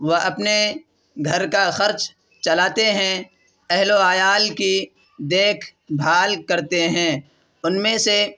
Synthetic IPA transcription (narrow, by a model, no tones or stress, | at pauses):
ʋɐɐpne | ɡʱɐɾkaxɐɾt͡ʃ | t͡ʃɐlaːt̪eɦɛ̃ | ɛɦloaːjaːlki | d̪eːkʰbʱaːlkɐɾt̪eɦɛ̃ː | ʊnmẽse